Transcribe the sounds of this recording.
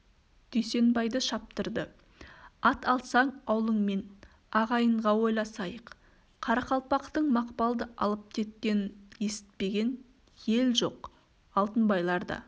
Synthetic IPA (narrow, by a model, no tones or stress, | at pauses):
d̪̥ʏjse̞nbɑjd̪əʃɑp̚t̪əɾd̪ə | ɑt̪ɑlˠsɑɴɑwlˠəɴme̞n | ɑʁɑjəɴʁɑwo̞jlˠɑsɑjəq | qʰɑɾɑqɑlˠpɑqt̪əɴmɑqpɑlˠd̪əʔɑ̰lˠəp̚kʲʰe̞t̪̚kʲe̞nɪnje̞sɪ̥t̪̚pe̞ɡʲe̞n | je̞lʒo̞̰q | ɑlˠt̪ənbɑjlˠɑɾd̪ɑ̰